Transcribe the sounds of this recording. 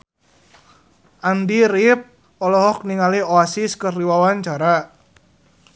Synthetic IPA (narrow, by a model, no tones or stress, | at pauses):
ʔandiɾip̚ | ɔlɔɦɔk̚niŋalioasiskərliwawaɲt͡ʃaɾa